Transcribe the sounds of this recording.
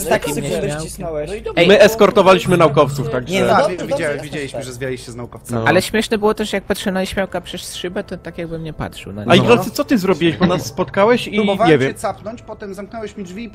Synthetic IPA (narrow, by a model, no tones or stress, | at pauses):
akimɲɛmawinɔwɛɛjmɘɛskɔɾt̪ɔvalʲiɕmɘnaukɔft̪suft̪aɡʐɛvʲjed͡ʑawɛvʲjed͡ʑelʲiɕmɘʐɛzvʲjalʲiɕɕɛznaukɔfsaalɛɕmʲjɛʂnɛbɘwɔt̪ɛʂjak̚patʂɛnaiɕmʲjawkapʂɛssʂɘbɛt̪ɔt̪akʲjaɡ̚bɘmɲɛpa̰tʂɨ̰wna̰ɲaiɡalsɛt̪sɔt̪ɘzɾɔbʲiwɛʑbɔnasːpɔt̪kawɛɕivɲɛvjɛɛsapnɔɲt͡ɕpɔt̪ɛmzamknɛwɛɕmdvʲi